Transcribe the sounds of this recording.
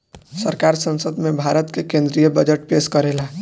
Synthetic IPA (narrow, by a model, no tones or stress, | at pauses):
səɾkaɾsə̃nsəd̪ʱmẽbʱaɾət̪kekẽnd̪ɾijəbəd͡ʒəʈ̚peskəɾela